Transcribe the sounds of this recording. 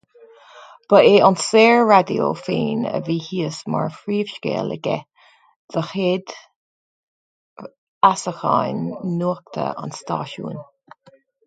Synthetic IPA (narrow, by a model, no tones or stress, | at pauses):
b̥əeːanseːɹɹad̪io̰feːnə̰viːhiːəsmaɹfɹiːv̥ʃkḛːləɡɛ | ð̥əxed̪ | asəxajnːuək̚t̪ʰə̰a̰nst̪ɑːʃṵːn